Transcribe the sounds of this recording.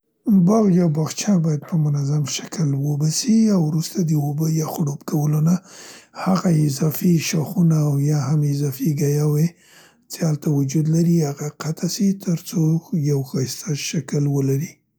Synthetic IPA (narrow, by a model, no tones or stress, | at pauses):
bɑɣd͡ʒabɑxt͡ʃɑbɑjad̪̚pəmʊnazamʃḁkəlwəbasiawɾust̪ad̪əobəjɑxɽopkawəlonahaɣaɪzɑfiʃaxunaːwjɑhamɪzɑfiɡajawe | t͡sealt̪awʊd͡ʒud̪laɾihaɣaqat̪ʰasit̪ʰəɾt͡sojawxɑjst̪ʰaʃakəlwəlaɾi